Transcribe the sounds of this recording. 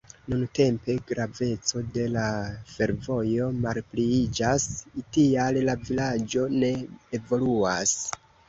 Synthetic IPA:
nunte̞mpe̞ɡɾave̞t͡so̞de̞lafe̞ɾvo̞jo̞malpliid͡ʒasitiallavilad͡ʒo̞ne̞ːvo̞luas

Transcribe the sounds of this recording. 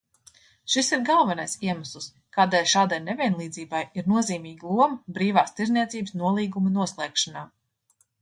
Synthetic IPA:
ʃisiɾɡalˠvɛnajsiɛmaslˠus | kaːd̪eːlʲʃaːd̪ajnevʲiɛnlˠiːd̪ziːbajiɾnuɔziːmiːɡlˠuɔmɐbɾiːvaːst̪iɾzniɛt̪siːbsnuɔlˠiːɡumɐnuɔslˠɛːkʃanaː

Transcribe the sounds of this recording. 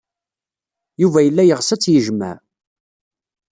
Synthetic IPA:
juvæjəlːæjəʁsæt͡sːjəʒmæ̰

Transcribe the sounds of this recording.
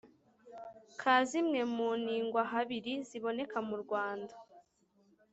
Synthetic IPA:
kʰaːzimŋe̞muːniːŋɡwaɦaβiɾiziβo̞ne̞kamuɾɡwaːnda

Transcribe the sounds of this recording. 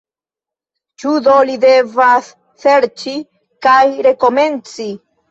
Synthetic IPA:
t͡ʃudo̞lide̞vasː | e̞ɾt͡ʃi | kajɾe̞ko̞me̞nt͡si

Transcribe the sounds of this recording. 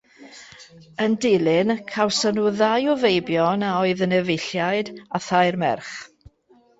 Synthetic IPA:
əndɪlɪnkʰawsənuðajɔvejbjɔnaɔɨðənɛvɪɬjaɨdaθajrmɛ̰rχ

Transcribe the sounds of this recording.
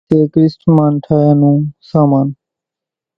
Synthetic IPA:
eːkɾɪsʈmaːnʈʰaːjaːnũːsaːmaːn

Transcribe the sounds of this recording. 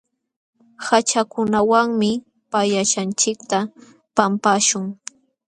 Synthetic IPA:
hat͡ʃakʊnawaŋmɪ | pajaʃant͡ʃɪk̚t̪a | pampaːʃʊŋ

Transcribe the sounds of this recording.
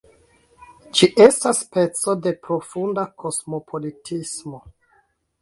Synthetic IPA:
d͡ʒiʔe̞staspe̞t͡so̞de̞pɾo̞fundakʰo̞smo̞pʰo̞litʰismo̞

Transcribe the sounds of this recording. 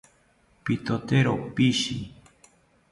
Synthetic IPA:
pit̪ot̪eɾopiʃḭ

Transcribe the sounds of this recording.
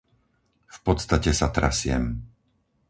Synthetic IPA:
fpɔt̪st̪acɛsat̪ɾa̰sɪɛ̰m

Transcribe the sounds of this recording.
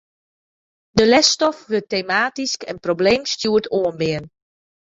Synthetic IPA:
dəlɛstɔfʋøtːemaːtiskɛnprobleːmstjuətʰoənbɪən

